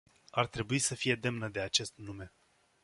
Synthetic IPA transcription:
art̪ɾe̞buisəfije̞d̪e̞mnəd̪e̞at͡ʃe̞st̪nume̞

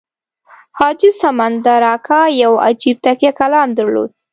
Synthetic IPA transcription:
hɑd͡ʒɪsamand̪əɾɑkʰɑjawa̰d͡ʒib̚t̪akjakalɑmd̪əɾlo̰d̪̚

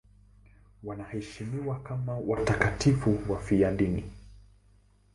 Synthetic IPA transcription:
wanahɛʃimiwakamawʔatakatifuwafijaɗinḭ

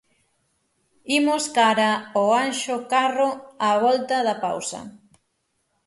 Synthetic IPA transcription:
imoskaɾɐoanʃokaroaβɔlt̪ɐðɐpa̰wsɐ̰

